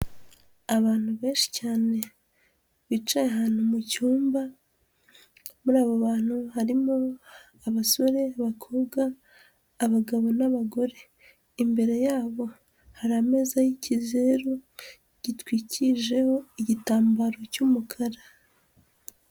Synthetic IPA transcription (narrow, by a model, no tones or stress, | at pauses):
aβaːn̥huβe̞ːnʃi̥caːne̞ | βit͡ʃajeɦaːn̥humucuːmba | muɾaːβo̞βaːn̥huhaɾimo̞ | aβaso̞ɾe̞aβakʰo̞ːbɡaː | βaɡaβo̞naβaɡo̞ɾe̞ | imbe̞ɾe̞jaːβo̞ | haɾame̞zajicize̞ɾu | ɟ̥itwiːciʒe̞ho̞iɟitaːmbaɾo̞cumukʰaɾa